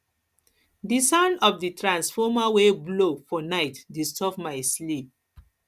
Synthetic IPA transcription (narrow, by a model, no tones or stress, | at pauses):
disãʊ̃ndɔfditɹãnsfɔmaweblofɔnaɪtdistɔfmaɪslip̚